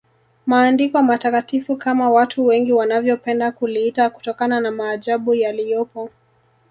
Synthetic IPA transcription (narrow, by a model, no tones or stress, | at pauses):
maːndikɔamatakatifukamawatʰuwɛŋɡiwanavjɔpɛndakuliitaku̥tɔkananamaːʄaɓujalijɔpɔ